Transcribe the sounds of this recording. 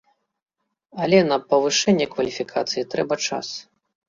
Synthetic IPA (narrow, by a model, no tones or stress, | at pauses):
ɐlʲɛnɐpɐvɨʂɛnʲːɛkvɐlʲifʲikʰat̪sɨjit̪ɾɛbɐt͡ʂa̰s